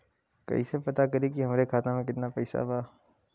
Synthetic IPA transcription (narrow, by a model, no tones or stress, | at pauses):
kɐ̰ɦḭsepɐt̪akɐɾik̬iɦɐmɾekʰaːt̪ãmẽkɪt̪napɛːsa̰baː